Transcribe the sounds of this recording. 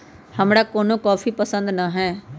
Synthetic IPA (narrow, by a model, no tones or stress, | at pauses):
həmɽaːkoːnõːkɔːfʰiːpəsə̃nd̪naɦɛː